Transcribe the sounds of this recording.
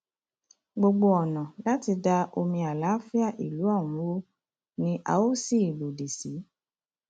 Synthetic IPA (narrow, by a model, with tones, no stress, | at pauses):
ɡ͡bo˧ɡ͡bo˧ɔ˨nã˨la˦ti˧da˧ʔo˧mĩ˧a˨la˨˦fi˦a˦˨ʔi˨lu˨˦ã˦˨ũ˨˦wo˦ | nĩ˦ʔa̰˧o˦si˦˨i˨bo˨de˨si˨˦